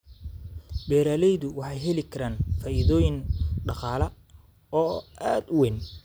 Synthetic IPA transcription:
bɛːɾaːlɛjðʊwɑħɑjɦɛlɪkʰɐɾaːnfaːʔiðɔːjɪŋɖɑqɑːlɐ | ɔːaːd̪ʊwɛn

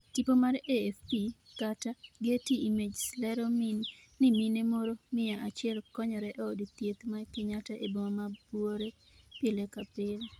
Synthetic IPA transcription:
tipomaɾefpi | kataɡɪetiimed͡ʒslɛɾomininɪminemoɾomɪjaʔat͡ʃɪɛlkɔɲɔɾɛʔoodit̪jet̪makɪɲataʔebomabwoɾe | pɪlekapɪl

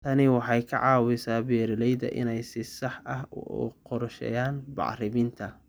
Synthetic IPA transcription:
t̪ʰɐnɪwɑħɑjkʰɐ̰ʕɑːwɪsaːbɛːɾɪlɛjðɐ̰ʔɪ̰nɛjsɪsɑħɐɦɔ̰ːqɔrʃɛ̰jaːnbɑ̰ʕrɪβɪnt̪ʰɐ

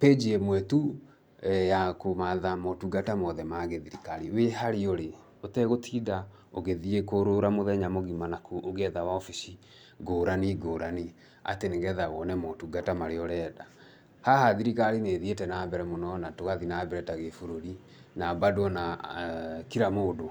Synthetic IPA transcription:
ped͡ʒiɛmwɛtu | jakomaðamɔtuɡatamɔðɛmaɣeðiɾikaɾiwehaɾioɾe | otɛɣotʰida | o̰ɣeðiekoɾoɾamoðɛɲamoɣimanakuʔoɣɛðawaɔfiʃi | ɡoɾaniɡoːɾani | a̰teneŋɣɛðawɔnɛmɔtuɡatamaɾeɔɾɛːda | hahaðiɾikaɾineːðietɛnabɛɾɛmonɔnatoɣaðinabɛɾɛtaɣefoɾoɾi | nabadwɔna | kiɾamoːdo

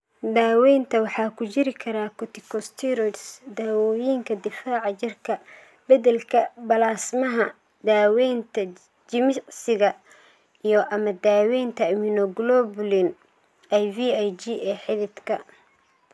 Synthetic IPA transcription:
d̪aːwɛjnt̪ʰɐwɑħɑːkʰʊt͡ʃɪɾɪkʰɐɾaːkʰɔt̪ʰɪkʰɔst̪ʰiɾɔdsd̪aːwɔːjiːŋkʰɐd̪ɪfaːʕɑt͡ʃɪrkʰɐ | bɐðɛlkʰɐbɐlaːsmɐɦɐ | d̪aːwɛjnt̪ʰɐ | d͡ʒɪmɪsɪɣɐ | ijɔʔɐmɐd̪aːwɛjnt̪ʰɐmɪnɔɡlɔblɪn | ajviːajd͡ʒiːɛːħɪlɪd̪kʰɐ

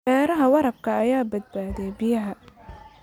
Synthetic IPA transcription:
ɛːɾɐɦɐwɑɾɐb̚kʰɐːjaːbɐd̪̚baːðɛjbɪjɐɦɐ

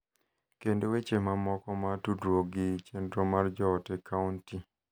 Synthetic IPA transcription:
kendowet͡ʃemamɔkɔmatudɾoɡit͡ʃendɾomard͡ʒɔːtɛkʰaunti

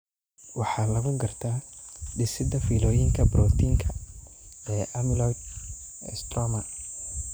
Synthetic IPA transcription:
wɑħɑːlɐɣʊɡɐrt̪ʰaːɖɪsɪd̪ɐfiːlɔːjɪŋkʰɐbɾɔːt̪ʰiːŋkʰɐ | ɛːʔɐmɪlɔ | ɛ̰st̪rɔmɐ

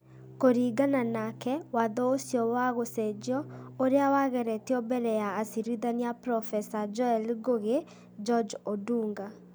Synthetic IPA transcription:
koɾiːɡananakɛwaðɔosiɔwaɣosɛd͡ʒɔoɾeawaɣɛɾɛtiɔbɛɾɛjaːsiɾiðaniapɾɔfɛsad͡ʒɔɛlɡoɣe | d͡ʒɔd͡ʒoduːŋɡa

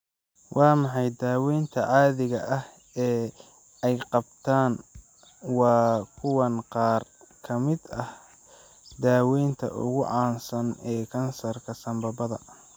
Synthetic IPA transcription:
wʔɑːmɑħɑjd̪aːwɛjnt̪ʰɐʕɑːðɪɣɐʔɐh | ɛː | ɛjqɑb̚t̪ʰaːn | wɑːkʰʊwɐnqɑːrkʰɐmɪd̪ɐh | d̪aːwɛjnt̪ʰɐ̰ʔʊ̰ɣʊʕɑːnsɐnɛːkʰɐnsɐrkʰɐsɐmbɐbɐðɐ

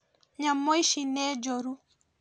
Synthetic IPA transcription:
ɲamɔiʃinɛd͡ʒɔɾu

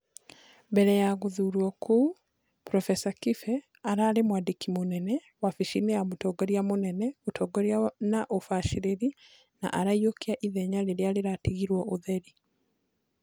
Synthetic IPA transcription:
mbɛɾɛjaɣuðuːɾwɔkʰu | pɾɔfɛsakifɛ | aɾaɾemwadikimonɛnɛ | wafiʃinɛjamotɔɡɔɾjamonɛnɛotɔɡɔɾjanaʔofaʃiɾeɾi | na̰ʔaɾaiokiaʔiðɛɲaleɾealeɾatiɣiɾwɔʔoðɛɾi

